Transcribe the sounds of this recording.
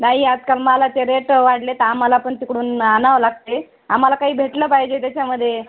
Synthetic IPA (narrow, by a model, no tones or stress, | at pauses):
naɦiːad͡zkalmalat̪eɾeʈʋaɽlet̪əam̤alapəɳt̪ikɽuːnanaʋlaɡ̚t̪e | am̤alakaɦiːbʱeʈləːpajd͡ʑet̪̬jat͡ɕaməd̪ʱːje